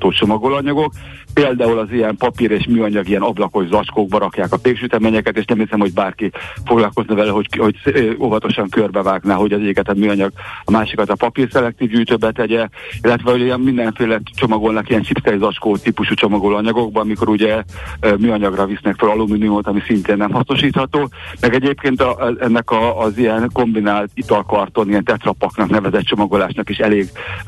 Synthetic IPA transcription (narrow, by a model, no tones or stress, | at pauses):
t̪oːt͡ʃo̞mɒɡolɒɲɒɡo̞k | peːld̪aːulɒzijɛmpɒpiɾeːʃmyːɒɲɒɡijɛnɒblɒko̞ʒzɒt͡ʃkoːɡ̚bɒɾɒkjaːkɒt̪eːkʃyt̪ɛmeɲɛkɛt̪eːʃnɛmhisɛmho̞ɟbaːrkifo̞ɡlɒlko̞znɒvɛlɛɦoho̞ɟsovɒt̪o̞ʃɒŋkørbɛvaːɡnaːɦo̞ɟɒzɛikɛt̪ɛmmyːɒɲɒɡɒmaːʃikɒt̪ɒpɒpirsɛlɛk̚t̪iːvɟyːt̪øbɛt̪ɛɟɛilːɛt̪ʋɛujiɛmmind̪ɛɱfeːlɛt͡ʃo̞mɒɡolnɒkijɛnt͡ʃipsɛjizɒt͡ʃkoːt̪iːpuʃut͡ʃo̞mɒɡolɒɲɒɡo̞ɡ̚bɒmiko̞ɾuɟɛmyːɒɲɒɡrɒvisnɛkfølɒluminiumot̪ɒmisint̪eːnːɛmɦɒsnoʃiːt̪hɒt̪oːmɛɡɛɟeːpkeːnt̪ʔɛnːɛkɒːzijɛnko̞mbinaːlt̪it̪ɒlkɒrt̪o̞nijɛnt̪ɛt̪rɒpɒknɒknɛvɛzɛt̪t͡ʃo̞mɒɡo̞laːʃnɒkiʃɛleːɡ